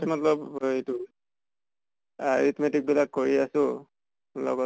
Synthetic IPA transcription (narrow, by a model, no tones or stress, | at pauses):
mɔtlɔbejtʊ | aɹitmetik̚bilakːoɹiasʊ̃ | lɔ̰ɡɔ